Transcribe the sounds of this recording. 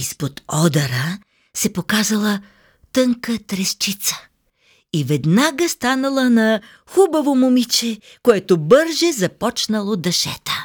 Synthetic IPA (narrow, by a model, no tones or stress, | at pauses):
ispot̪ɔd̪ɐɾə | sɛpokazəlˠə | t̪ɤŋkət̪ɾɛst͡ʃit̪sə̥ | ivɛd̪naɡəst̪anɐlˠənɐ | xubɐvomomit͡ʃɛ | koɛt̪obɤɾʒɛzɐpɔt͡ʃnɐlˠod̪ɐʃɛ̰t̪ə̥